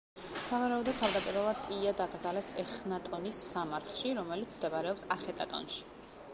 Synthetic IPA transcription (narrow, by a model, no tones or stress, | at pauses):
savaɾaɔd̪ɔd̪̚t̪ʰavd̪apʼiɾvalˠad̪̚t̪ʼiad̪aɡɾd̪zalɛsɛχnat̪ʼɔnisːamaɾt̪ʰχˠʃiɾɔmɛlit̪sʰmd̪ɛbaɾɛɔpsaχɛt̪ʼa̰t̪ʼɔ̰nʃi̥